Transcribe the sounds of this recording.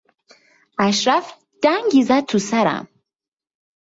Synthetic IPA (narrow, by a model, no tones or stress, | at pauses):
æʃɾæf | d̪̥æŋɡizæt̪̚t̪ʰːusæɾæ̰m